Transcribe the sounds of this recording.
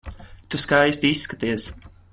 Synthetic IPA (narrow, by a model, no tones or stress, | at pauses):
t̪uskajsʲt̪isːkat̪iɛs